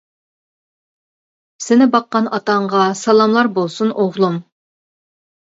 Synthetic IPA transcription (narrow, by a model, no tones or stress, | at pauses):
sɪnɪbɑqːɑnɑt̪ɑɴʁɑsɑlˠɑmlˠɑɾbolˠsunʔoʁlˠum